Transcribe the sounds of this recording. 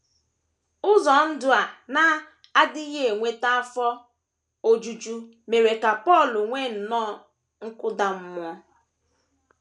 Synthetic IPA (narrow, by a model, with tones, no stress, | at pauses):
ʊ˦zɔ˨n̩˦dʊ˨a˨na˦ | a˦dɪ˦ɣe˦e˨ŋʷe˦ta˦a˦fɔ˦ | o˦d͡ʒu˦d͡ʒu˦ | me˨ɾe˨ka˨pɔ˦˨lʊ˨ŋʷe˦n̩˨nɔ˦˨ | ŋ̩˦kʊ˦da˦m̩˦mʊ˦ɔ˦